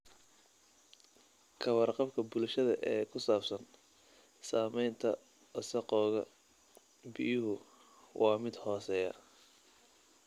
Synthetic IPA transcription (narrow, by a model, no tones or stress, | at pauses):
kʰɐwɑrqɑbkʰɐbʊlʃɐðɐʔɛːkʰʊsaːbsɐn | saːmɛjnt̪ʰɐ̰ | ɐsɐqɔːɣɐ | bɪjʊɦʊ | wʔɑːmɪd̪hɔːsɛjɐ̰